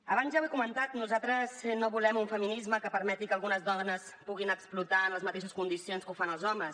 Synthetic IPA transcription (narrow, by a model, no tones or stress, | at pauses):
əβ̞anzjawɛkumənt̪at̪nuzat̪ɾəznoβulɛmuɱfəminizməkəpəɾmɛt̪ikəlˠɣunəzðɔnəspuɣinəksplut̪aənləzmət̪eʃ̬əskund̪isionskufanəlˠzɔməs